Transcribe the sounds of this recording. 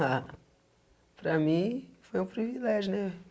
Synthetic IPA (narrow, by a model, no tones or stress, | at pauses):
a | pɾɐmĩfojũpɾivilɛʒunɛ